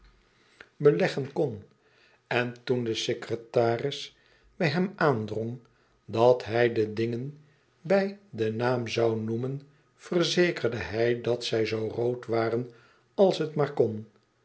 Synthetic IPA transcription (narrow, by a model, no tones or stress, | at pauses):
bəlɛχənkɔn | ɛntundəsekrətaːrɪs | bɛjɦɛmaːndroŋ | dɑtɦɛjdədɪŋən | bɛjdənaːmzɑwnumən | fərzejkərdəɦɛjdɑtsɛjzowrowtʋaːrən | ɑlˠsɦətmaːɹkɔn